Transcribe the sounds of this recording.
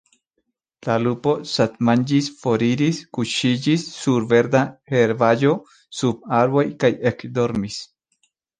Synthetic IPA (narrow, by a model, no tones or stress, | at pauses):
laluposat̪mand͡ʒisfoɾiɾiskuʃid͡ʒisːuɾbeɾd̪aheɾbajo | sub̚aɾbojkajekd̪oɾmis